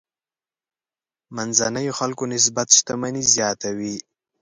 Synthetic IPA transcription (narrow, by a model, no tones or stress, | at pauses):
manzanajoxalkonɪs̬bat̪ʃt̪amanizjɑːt̪awi